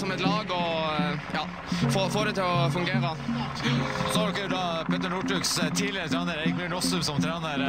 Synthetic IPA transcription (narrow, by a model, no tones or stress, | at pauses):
sɔmɛt̪lɑːɡɔjɑː | foːfoːɾət̪ɪlɔfʉŋɡeːɾə | sɔhɑlkːəɾʊd̪ɑːpʰɛːt̪ːəɳuːʈʉːkst̪ʰiːlɪɾət̪ʰɾæːnəɾɛɪɡmɪːɳɔsʉmsɔmt̪ʰɾæːnəɾ